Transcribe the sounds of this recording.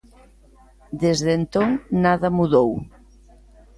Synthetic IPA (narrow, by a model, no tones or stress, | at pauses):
d̪ezðent̪oŋnaðɐmuðow